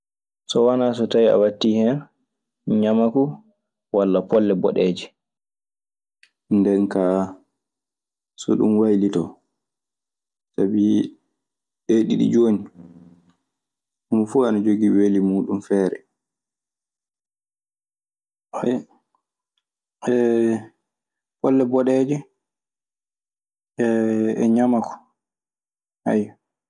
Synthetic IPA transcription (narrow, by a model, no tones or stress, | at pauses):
sɔwanaːs̬ɔtawia̰watːihɛn | ɲamaku | walːapɔlːɛbɔ̰ɗeːd͡ʒi | ndɛnkaː | sɔ̰ɗṵmwajlitɔ | tabi | ɗeɗḭɗḭd͡ʒoːni | ʔumfuanad͡ʒoɡiwelimuːɗumfɛːɾɛ̰ | wa | ɛ | bɔlːɛbɔɗɛd͡ʒɛ | ɛɛ̰ɲamakʰɔ̥ | ha̰jɔ